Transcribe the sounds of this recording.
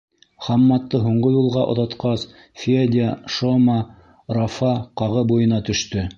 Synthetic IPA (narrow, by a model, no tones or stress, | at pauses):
χɑmːɑt̪ːɤɦuɴɢɤjulˠʁɑʔŏ̰ðɑt̪qɑs | fʲed̪ʲaʃomɑ | rofɑqɑʁɤbujɤ̆nɑt̪ɵ̆ʃt̪ɵ